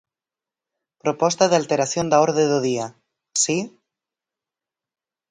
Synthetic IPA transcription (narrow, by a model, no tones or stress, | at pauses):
pɾopɔst̪aðealt̪eɾaθjond̪aoɾðeðoðia | si